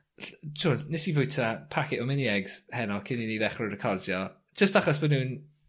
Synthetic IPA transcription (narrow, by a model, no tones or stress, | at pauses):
ɬt͡ʃʊːnnɪsivʊjtʰapʰakʰɪʔɔmɪniɛɡz̥hɛnɔkʰɪniniðɛχrʊɾəkʰɔrdjɔ̥ | d͡ʒ̥əstaχɔs̬bənuːn